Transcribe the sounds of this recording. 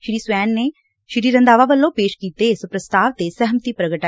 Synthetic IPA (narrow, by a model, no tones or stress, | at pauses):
ʃɾiːswɛːnːe | ʃɾiːɾɐ̃nd̪aːʋaʋəlːõpeːʃkiːt̪esɐpɾɐst̪aːʋt̪esɛɦəmt̪ipɾɐɡəʈa